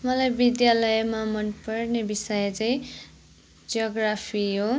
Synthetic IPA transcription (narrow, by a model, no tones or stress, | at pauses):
mʌlajbid̪jalʌjmamʌnpʌrnebisʌjʌt͡saj̃ | d͡zʌɡrapʰiɦo